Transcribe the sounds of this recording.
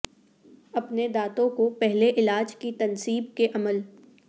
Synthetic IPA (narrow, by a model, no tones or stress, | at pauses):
ɐpned̪aːt̪õkopɛɦleʔɪlaːd͡ʒkit̪ɐnsiːbkeʔɐməl